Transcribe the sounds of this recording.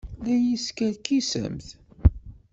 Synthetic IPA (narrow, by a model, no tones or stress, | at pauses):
ðæjiskælkisə̰mθ